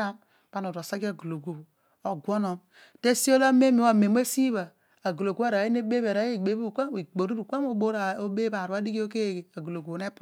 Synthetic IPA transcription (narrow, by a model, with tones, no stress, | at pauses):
a˦m | pa˦nu˨ɾo˨sa˦ɡa˨ɡu˨lo˨ɡo˦˨b | o˨ɡʷo˦no˨m | te˦si˦o˦la˦me˦mi˨˦a˦˨me˨m˦e˦si˦βa˨ | a˨ɡu˨lo˨ɡu˦a˦˨ɾa˨i˦ne˦be˦βe˨ɾa˨˦je˦˨ɡ͡be˨˦bu˦˨kʷa˦i˨ɡ͡bo˨ɾu˦ɾu˨kʷa˦m˦o˦bo˦ɾa˨o˦be˦ba˨ɾu˦a˦di˦ɡi˦o˦ke˦˨ɡe˨a˨ɡu˨lo˨ɡu˨ne˦p